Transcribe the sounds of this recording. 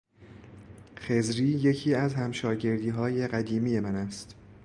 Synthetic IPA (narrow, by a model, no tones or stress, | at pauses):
xe̞zɾiːje̞cʰiːæzhæmʃɒːɟe̞ɾd̪iːɦɒːje̞ɢæd̪iːmiːje̞mænæst̪